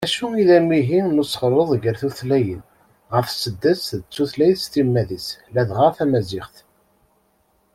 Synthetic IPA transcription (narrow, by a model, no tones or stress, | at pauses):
æʃuiðæmːiɦinusχəɾˤəðˤʝəɾθuθlæjən | ʁəɾfsəd̪ːəsðət͡sːuθlæjθst̪imːæðislæðʁəfæmæzɪχθ